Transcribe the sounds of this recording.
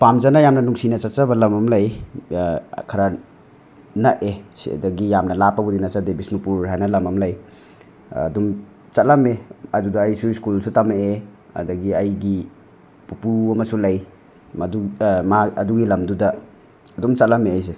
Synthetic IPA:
pamzanajamnɐnuŋsinɐt͡ʃatt͡ʃabɐlɐmɐmlɐj | kʰɐɾɐ | nɐʔesḭdɐɡijamnɐlapɐbudinɐsadebisnupuɾhajnɐlɐmɐmlɐj̰ | dum | t͡ʃɐt̚lɐmeɐdudɐːjsuiskulsutamee | ɐ̰dɐɡiɐjɡi | pupuɐmɐsulɐj | mɐdumaɐduɡilɐmdudɐː | dumt͡ʃat̚lameajs̬e

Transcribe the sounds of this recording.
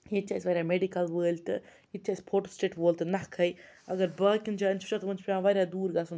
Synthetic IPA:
jit͡ʃaːjsʲiʋɐːɾjaːmeɖikɐlʋəːlʲt̪ɨ | it͡ʃaːsʲi̥pʰoːʈosʈeːʈʋoːlʲt̪ɨnɐkʰɐj | ɐ̰ɡɐɾbaːkʲind͡ʒaɐnt͡ʃʰu̥t͡ʃat̪ɐmɐnt͡ʃpɾʲãːʋɐːɾʲjaːd̪uːɾɡasun

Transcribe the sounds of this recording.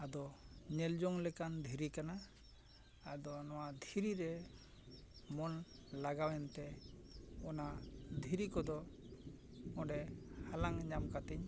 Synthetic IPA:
ad̪ɔɲɛld͡ʒɔŋlɛkand̪ʱiɾikanaː | d̪ɔnɔwad̪ʱiɾiɾɛ | mɔnlaɡawɛnt̪ɛ | ɔnad̪ʱiɾikɔd̪ɔ | ɔ̃ɖɛhalaŋɲamkat̪iɲ

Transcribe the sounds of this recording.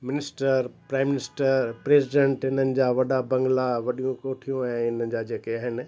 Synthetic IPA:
mɪnɪsʈəɾpɾaːɪmɪnɪsʈəɾpɾeːzɪɖẽɳʈɪn̤ənɪ̆d͡ʑaːʋɐɗabɐ̃ŋɡlaʋɐɗijũkoːʈʰijũɛ̃ːɪn̤ənɪ̆d͡ʑaːd͡ʑeːkeaɦɪnɪ̆

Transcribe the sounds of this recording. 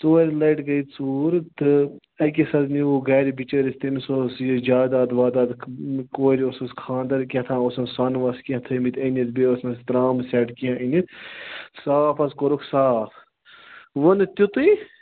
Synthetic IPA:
t͡soːɾʲilɐjʈɡɐit͡suːɾt̪ɨ | ɐk̬ʲisɐd̪niuɡɐːɾibit͡ʃəɾist̪ɐmisosjid͡ʒaːd̪aːd̪ʋaːd̪aːd̪koːɾiososkʰãːnd̪ɐɾkʲɐt̪ʰãːosɐnsɐnʋɐskʲɐt̪ʰɐmit̪ʰʲɐnɐt̪bʲeːosnɐst̪ɾaːmsʲɛːʈkiãʔinit̪saːpʰɐskoɾoksaː | ʋɐnɨt̪ʲut̪ui

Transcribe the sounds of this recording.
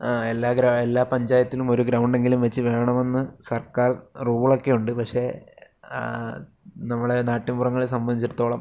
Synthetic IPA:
aelːaːɡɾɐelːaːpɐɲd͡ʑaːjɐt̪ːilumo̞ɾuɡɾɐwɳɖe̞ŋɡilumʋet͡ɕːɨʋe̞ːɳɐme̞nːɨsɐrkaːrruːɭo̞kːe̞juɳɖɨpɐkʂe̞ː | nɐmːɐɽenaːʈːɐmburɐŋːɐɭes̬ɐmbɐnd̪ʱit͡ɕːiɾut̪ːo̞ːɭɐm

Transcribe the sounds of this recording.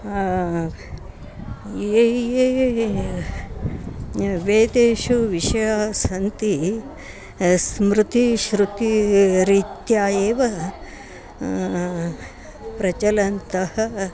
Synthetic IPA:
eːje | ʋeːd̪eːʃuʋiʂɐjaːsɐnt̪i | smɾut̪iʃɾut̪iɾiːt̪jaːjeːʋɐ | pɾɐt͡ʃɐlɐnt̪ɐhɐ

